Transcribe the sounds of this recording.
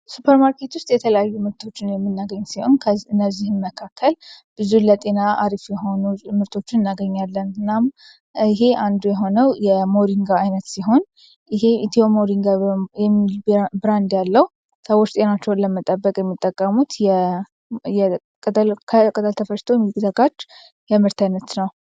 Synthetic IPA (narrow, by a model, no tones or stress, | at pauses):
supʰəɾmaɾkʰe̞t̪wʊst̪ʼjɛt̪ʰələjajːumɨɾt̪ʰo̞t͡ʃːɪnjɛmːɨnːaɡəɲːsiho̞̰nkʰəɨnːəzːihɨnməkʰakʰːəl | b̥ɨzulət̪ʼe̞naaɾifjɛɦo̞numɨɾt̪ʰo̞t͡ʃːɪnɨnːaɡəɲːalːənɨnːam | ɪɦe̞ʔand̪ujɛɦo̞nəwjɛmo̞ɾiŋɡaajnət̪siɦo̞n | ɪɦe̞it̪ʰiomoɾiŋɡajɛmːilbɾand̪jalːəw | səwot͡ʃːt̪ʼe̞nat͡ʃːɛwnləmət̪ʼəbːəkʼjɛmːit̪ʼːəkʼːəmut̪jɛ | jɛ | kʼt̪ʼəkʰkʼət̪ʼəlt̪ʰəfəʃt̪ʰo̞mjikʼzəɡat͡ʃː | jɛmɨɾt̪ʰajnət̪nəw